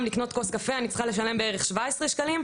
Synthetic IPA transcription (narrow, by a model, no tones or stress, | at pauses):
mlikno̞t̪ko̞skafeanit͡sl̥χale̞ʃale̞mbeeʁeχʃvaesʁeʃkalim